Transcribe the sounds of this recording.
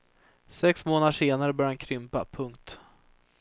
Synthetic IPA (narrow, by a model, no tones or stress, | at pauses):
sɛksmoːnad̪ʂeːnaɾəbœɾjhankʰɾʏmpa̰pʰɵŋk̚t̪